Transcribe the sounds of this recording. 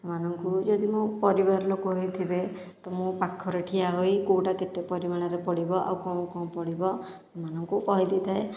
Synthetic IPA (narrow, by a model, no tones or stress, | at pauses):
semanɔŋkud͡ʒɔd̪imũpɔɾibaɾlokoɦojt̪ʰibe | t̪ɔmũpakʰːɔɾeʈʰiaɦojkoʈaket̪epɔɾimaɽ̃aɾepɔɽibɔʔa̰wkɔ̃kɔ̃pɔɽibɔ | semanɔŋkukɔɦid̪it̪ʰae